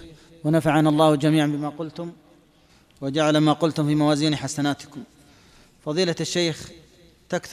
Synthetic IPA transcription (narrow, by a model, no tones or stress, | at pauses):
wanafaʕanalˤːɑːhd͡ʒamiːʕanbɪmaːqʊlt̪ʊm | wad͡ʒaʕalamaːqʊlt̪ʊmfiːmawaːziːnħasanaːt̪ɪ̥kʊm | fɑðˤiːlaaʃːejx | t̪akθ